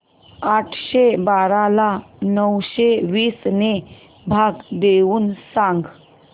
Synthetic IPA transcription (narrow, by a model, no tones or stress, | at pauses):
aʈʰɕebaɾalanəwɕeʋiːsne | bʱaɡd̪euːnsãŋɡ